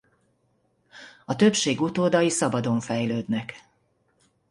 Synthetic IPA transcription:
ɒt̪øpʃeːɡut̪oːd̪ɒjisɒbɒd̪o̞ɱfɛjløːd̪nɛk

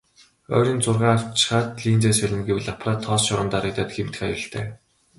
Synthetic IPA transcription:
œ̰ːɾʲiːnt͡sʊrʁaːaw̥t͡ɕ̆χaːt̪ɮiːnt͡seːsæɮʲɘ̆nɡiwɘɮapʰraːt̪ʰːɔːsʃɔɾə̆nt̪aɾə̆kt̪aːt̪ɡem̥t̪̆χajʊ̆ɬt̪ʰḛː

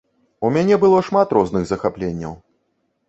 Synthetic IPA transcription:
umʲanʲɛbɨlˠɔʂmat̪ɾɔznɨɣzɐxaplʲenʲːɐ̰w

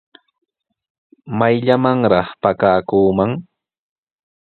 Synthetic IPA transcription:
majʎamaŋɾɑχpakaːkuːmaŋ

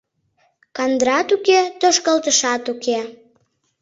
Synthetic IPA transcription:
kɑnd̪ɾɑt̪uket̪oʃkəlt̪əʃɑt̪uke

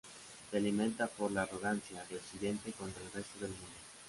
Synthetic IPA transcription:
d̪ealiment̪afoɾlːrːoɣant̪sjad̪eot͡ʃːid̪ɛnt̪ekont̪ɾoilrɛst̪od̪elmune

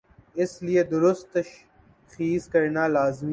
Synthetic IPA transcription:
ɪslieːd̪ʊɾʊst̪̚ːɐʃ | xiːskɐɾnaːlaːzmi

